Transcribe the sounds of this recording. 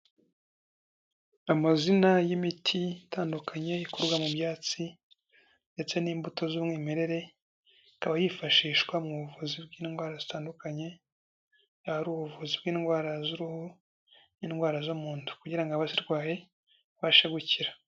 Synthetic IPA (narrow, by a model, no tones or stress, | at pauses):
amazinajimitʰitʰaːndukʰaɲe̞ikoɾɡwamubjaːt͡si | nde̞t͡se̞niːmbuto̞zumŋiːme̞ɾe̞ɾe̞ | kaβajifaʃiːʃɡwamŋuβuvuzibɡiːnɡwaːɾazitaːndukaɲe̞ | ahaɾuːβuvuzibɡiːnɡwaːɾazuɾuhu | niːnɡwaːɾazomuːntu̥kuɟiɾaŋɡaβasiɾɡwaːje̞ | βaʃaɡuciɾa